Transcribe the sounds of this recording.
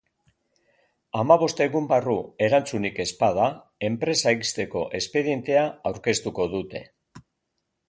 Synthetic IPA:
amaβ̞o̞st̪e̞ɣumbarue̞ɾant͡sunike̞spað̞a | e̞mpɾe̞saist̪e̞ko̞̰ʔe̞spe̞ðije̞nt̪e̞aawɾke̞st̪uko̞ðut̪e̞̰

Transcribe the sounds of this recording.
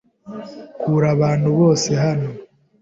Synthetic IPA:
kʰuːɾaβaːnhuβo̞ːse̞ɦano̞

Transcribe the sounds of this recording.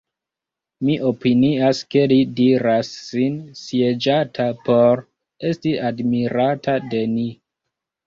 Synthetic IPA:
miʔo̞piniaske̞lidiɾasːinsied͡ʒatʰapo̞ɾ | e̞stiʔadmiɾatʰade̞ni

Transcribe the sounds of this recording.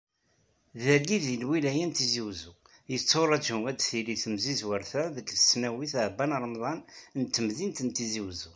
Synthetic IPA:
ðæɾɡiðiənwilæjənt̪iziwzu | jət͡sːoɾˤɑd͡ʒuæd̪θiliθəmzizwəɾθæðəkːθəsnæwiθʕbːænɾˤəmðˤɑnnt̪ːəmðint̪ənt̪iziwzu

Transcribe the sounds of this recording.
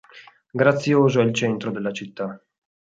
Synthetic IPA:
ɡɾat̪sːjoːzoɛilt͡ʃɛnt̪ɾod̪elːat͡ʃit̪ːa

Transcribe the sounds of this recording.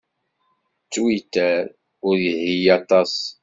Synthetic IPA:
t͡sːwit̪ːæɾ | ʊɾjəhijɑt̪ˤɑs

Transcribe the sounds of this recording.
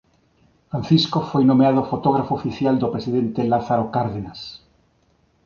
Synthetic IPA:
fɾãn̟θiskofojnomeað̞ofot̪oɣ̞ɾafoːfiθjald̪opɾesiðẽnt̪elaθaɾokaɾðenas

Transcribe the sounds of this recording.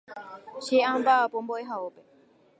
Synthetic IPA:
ʃeambapɔmbɔeɦaopɛ

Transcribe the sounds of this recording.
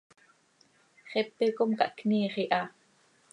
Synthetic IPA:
χɛpːekomkɑʔkniːχiʔɑ

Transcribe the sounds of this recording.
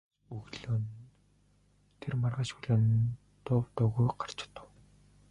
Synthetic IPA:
ɵɣɮoːn | t̪ʰermarʁaːʃuɮoːn | t̪ʊwt̪ʊːɣujɢar̥t͡ɕ̆ʰt̪ə̥̆w

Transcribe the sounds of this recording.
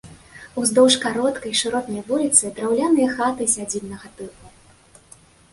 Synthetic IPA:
uzd̪ɔwʂkaɾɔt̪kɐjʂɨɾɔt̪nɐjvulʲit̪sɨd̪ɾawlʲanɨjɐxat̪ɨsʲad͡zʲilʲnɐɣɐt̪ɨlˠu

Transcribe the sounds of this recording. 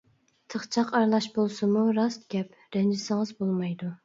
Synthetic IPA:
t̪ʰəχt͡ʃʰɑqɑɾlˠɑʃbolˠsɨmuɾɑst̪̚ɡʲɛp | ɾɛnd͡ʒɪsɪŋəzbolˠmɑjd̪u

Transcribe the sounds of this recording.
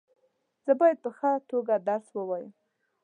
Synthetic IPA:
z̥əbɑjad̪̚pəxət̪oɡad̪aɾswəwɑjəm

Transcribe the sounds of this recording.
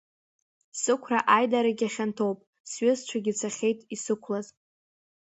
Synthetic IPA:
sɨkʷʰraʔajdaɾaɡʲaχʲantʰowpʼ | sɥɪzt͡ʃʷʰaɡʲɪt͡sʰaχʲejtʼisɨkʷʰlaz

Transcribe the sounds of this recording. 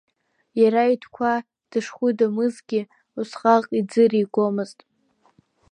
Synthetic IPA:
jaɾaitʰkʷʰa | d̥ɨʂχʷʊdamɨzɡʲɪ | usχʼaʁʼid͡zɨriɡʷo̞mɨztʼ

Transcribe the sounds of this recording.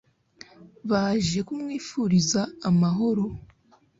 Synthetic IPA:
βaʒe̞kumŋiːfuɾizaːmaɦo̞ɾo̞

